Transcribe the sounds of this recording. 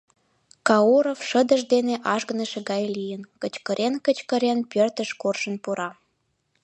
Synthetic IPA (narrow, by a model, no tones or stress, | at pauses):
kɑoɾofʃə̆d̪əʒd̪eneʔɑʒɡə̆nəʃĕɡɑjlijənkə̆t͡ɕkəɾʔenkət͡ɕkə̆ɾenpørt̪əʃkorʃə̆npuɾɑ